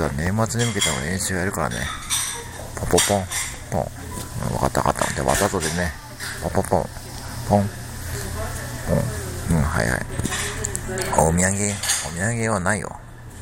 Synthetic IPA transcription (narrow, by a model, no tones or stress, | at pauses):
βanemat͡sɨɲʲimɯ̟ke̞t̪emoẽɰ̃ɕoajaɾɯ̟kaɾa̰ne | pʰõpopõŋpõ̰ŋ | ɯ̰̃βa̰kat̪ːaka̰t̪ːã̰d̪eβa̰t̪azod̪ene | põpopõ̰ | pʰõŋ | põ̰ŋɯ̃ɦa̰ḭha̰i | omʲiãŋɡeomʲiãŋɡeβanaijo̰